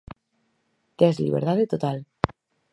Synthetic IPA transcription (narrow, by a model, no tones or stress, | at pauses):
t̪ezlḭβḛɾt̪aðet̪ot̪al